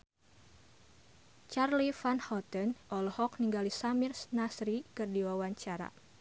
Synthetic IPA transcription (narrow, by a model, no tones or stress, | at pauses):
t͡ʃarlifanhɔt̪ənʔɔlhɔkniŋɡalisamirsnasɾikɨrdiwawaɲt͡ʃaɾa̰